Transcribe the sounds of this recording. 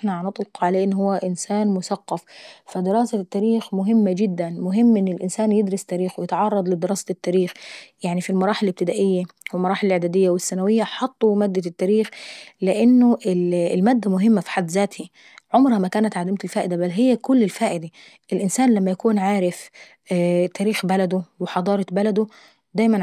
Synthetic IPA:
ʔɪħnaʕanɪt̪ˤlqʕaleːʔɪnːhʊwːæʔɪnsaːnmʊsaqːɑffad̪ɪɾɑːsat̪ːæːɾiːxmʊɦɪmːad͡ʒɪd̪ːænmʊɦɪmːʔɪnːɪlʔɪnsaːnjɪd̪ɾɑst̪ːaːɾiːxwɪjɪt̪ʕɑrˤːɑd̪ˤlɪd̪ɪɾɑːsat̪ːæːɾiːxjaʕnifilmɑɾˤɑːħɪlːɪb̚t̪ɪd̪aːʔɪjːawɪlmɑɾɑːħɪllʕed̪aːd̪ɪjːawɪsːænawɪjːaħɑt̪ˤːumaːd̪ːat̪ːæːɾiːxlɪʔɪnːʊʔɪllmæːd̪ːæmʊɦɪmːæfi̥ħad̪ːzæːt̪hi | ʕomɾhæmækæːnæt̪ʕad̪ɪmt̪ɪlfæːʔɪd̪æbælːɦɪjːækʊlːɪlfæːʔɪd̪a | ʔɪlʔɪnsæːnlæmːæjækuːnʕaːɾɪf | t̪æːɾiːxbælæd̪ʊwɪħɑd̪ˤɑːɾˤɑbælæd̪ʊ | d̪æːjmæn

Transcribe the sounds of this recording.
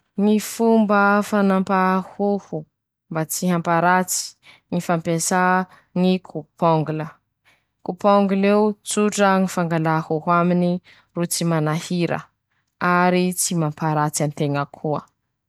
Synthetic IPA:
ŋifumbəfanampahuhu | mbat͡siɦampaɾat͡si̥ | ŋifampesa | ŋikʰupʰɔŋɡulə | kupɔŋɡulewt͡suʈ͡ʂəŋifaŋɡalahuɦuamini | rut͡simanahiɾə̰ | aɾit͡simampaɾat͡sant̪eŋəkʰuə

